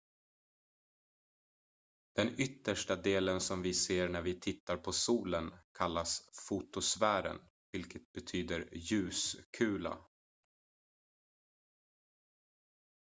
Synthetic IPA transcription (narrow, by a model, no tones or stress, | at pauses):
d̪̥ɛnʏt̪ːəʂʈad̪eːlənsɔmvɪseːɳæɾvɪt̪ʰɪt̪ːaɾpʰɔsuːlənkʰalːasfut̪ʊsvæːɾə̰n | vɪlkət̪̚bɛt̪ʰyːd̪əɾjʉ̟ːskʰʉ̟ːla̰